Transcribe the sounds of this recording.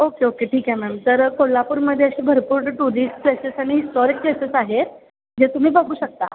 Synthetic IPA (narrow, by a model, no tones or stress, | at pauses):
okeokeʈʰiːkɦamɛmt̪əɾkolːapuːɾməd̪ʱːjeəɕiːbʱəɾpuːɾʈʈuɾisplesesaɽ̃iisʈɔɾik̚plesesaɦet̪ | d͡ʑet̪um̤iːbəɡuːɕək̚t̪a̰